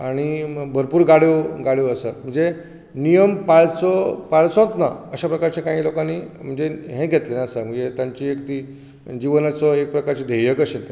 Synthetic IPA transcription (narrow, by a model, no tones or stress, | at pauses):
aɽ̃ibʱəɾpuːɾɡaɽjoɡaɽjoəsəm̤əɳd͡ze | nijəmpaɭt͡sɔpaɭt͡sõt̪na̰əɕapɾəkaɾt͡ɕekãɦĩːlokanim̤əɳd͡zeɦẽɡʱet̪lenaəsəm̤əɳd͡zet̪jaɲt͡ɕiekt̪i | d͡ʑiʋənat͡sɔek̚pɾəkaɾt͡ɕed̪ʱejəkəɕẽt̪e